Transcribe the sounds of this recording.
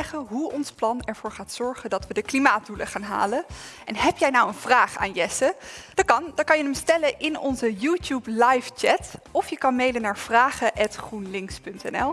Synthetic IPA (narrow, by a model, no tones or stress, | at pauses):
ɛχəɦuɔnsplɑnɛɹv̥ʊːɹχaːtsɔɹχəndɑtʋədəklimaːt̚duləχaːnɦa̰ːlənʔɛnɦɛpjɛjnɑwənv̥raːχa̰ːnjɛsəd̥ɑt̚kɑndɑtkɑnjənəmstɛləʔɪnɔnzəjuːtjuplajft͡ʃɛtɔfjəkɑnmejlənaːɹv̥raːχəʔɛtχrunlɪŋkspɵntɛ̰nɛlˠ